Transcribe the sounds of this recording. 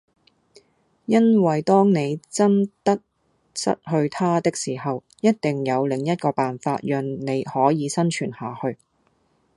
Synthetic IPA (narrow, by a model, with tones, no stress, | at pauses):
jɐ˥nwɐ˨jt̪ɔː˥ŋne˨˧jt͡sɐ˥nt̪ɐ˥k̚ | sɐ̰˥t̚hɵ˧ɥt̪ʰaː˥t̪ɪ˥k̚siː˨˩hɐ˨w | jɐ˥t̚t̪ɪ˨ŋjɐ˨˧wlɪ˨˩ŋjɐ˥t̚kɔː˧paː˨nfaː˧t̚jœː˨˧ŋne˨˧jhɔː˨˥jiː˨˧sɐ˥nt͡ʃʰyː˨˩nhaː˨hɵ˧ɥ